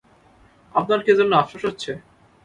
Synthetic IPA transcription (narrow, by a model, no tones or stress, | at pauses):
ap̚naɾked͡ʑonːoafaʃotːɕʰe